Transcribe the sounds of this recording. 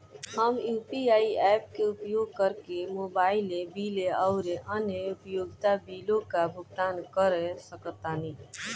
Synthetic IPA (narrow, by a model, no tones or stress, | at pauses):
həmjuːpiaːiɛːp̚keʊpjoːɡ̚kəɾkemoːbaːɪlẽbiːleəʊɾeʔənjəʊpjoːɡt̪abiːlõkabʱʊɡ̚t̪aːnkəɾesəkət̪ani